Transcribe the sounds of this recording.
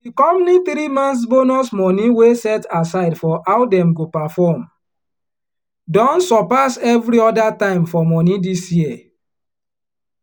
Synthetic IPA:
dikɔmniθɾimãns̬bonɔsmɔniwesɛtasaɪdfɔʔawdɛ̃mɡopafɔm | dɔ̃nsɔpasɛvɾiɔdatãɪ̃mfɔmɔnidisjiɛ

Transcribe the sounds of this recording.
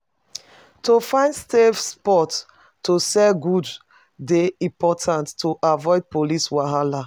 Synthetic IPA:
tofãɪ̃ndstevspɔt | tːosɛɡud | deĩpɔtʰãntːoʔavɔɪd̚poliswaɦala

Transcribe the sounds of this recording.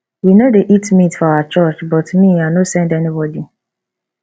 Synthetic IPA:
winodeʔitmitfɔaat͡ʃɔt͡ʃbɔtmĩanosɛ̃ndɛnibɔdi

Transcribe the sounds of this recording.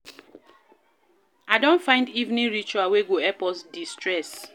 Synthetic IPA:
aɪdɔ̃ntfãɪ̃ndivnĩɹit͡ʃuaweɡoɛpɔsdistɹɛs

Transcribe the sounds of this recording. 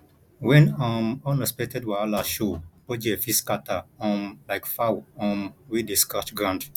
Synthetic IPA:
wɛ̃nãmɔ̃nɔspɛtɛdwaalaʃopod͡ʒefiskataɔ̃nlaɪkfawɔ̃nwideskat͡ʃɡɹãnd

